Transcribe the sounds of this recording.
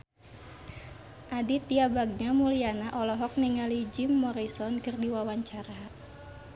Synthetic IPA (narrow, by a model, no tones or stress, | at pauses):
ʔadit̪iabaɡ̚ɲamulianaʔɔlɔɦɔk̚niŋalid͡ʒimːɔɾisɔnkɨrdiwawaɲt͡ʃaɾa